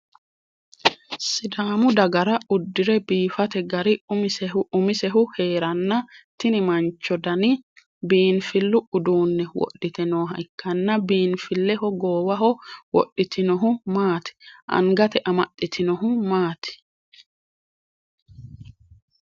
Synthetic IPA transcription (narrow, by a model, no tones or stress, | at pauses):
sɪd̪aːmʊd̪ɐɡɐɾɐʊd̪ːɪɾɛbiːfɐt̪ɛɡɐɾɪʊmɪsɛʊʊmɪsɛɦʊhe̞ːɾɐnːɐt̪ɪnɪmɐnt͡ʃːɔd̪ɐnɪ | biːnfɪlːʊʊd̪uːnːɛwɔ̰ɗːɪt̪ɛnoːɦɐ̰jkːɐnːɐbiːnfɪlːɛɦɔɡoːwɐɦɔwɔ̰ɗːɪt̪ɪnɔɦʊmaːt̪ɪ̥ʔɐ̰ŋɡɐt̪ɛʔɐmɐɗːɪt̪ʰɪnɔɦʊmaːt̪ɪ̥